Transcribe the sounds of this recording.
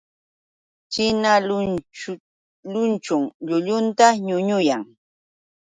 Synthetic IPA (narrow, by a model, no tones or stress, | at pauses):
t͡ʃɪnalʊ | ʎʊnt͡ʃʊŋʎʊʎʊnt̪aɲʊɲʊjaŋ